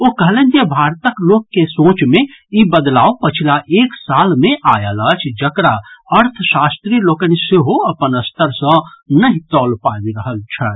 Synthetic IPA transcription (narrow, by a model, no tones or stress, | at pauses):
okəɦlend͡ʒebʱaɾt̪əklokːesõt͡ʃmeibəd̪laopət͡ʃʰilaʔeksalmẽʔajələt͡ʃʰd͡ʒəkɾaəɾt̪ʰəsast̪ɾilokəniseɦoəpənəst̪əɾsə̃nəɦĩt̪ɔlpabiɾəɦəlt͡ʃʰə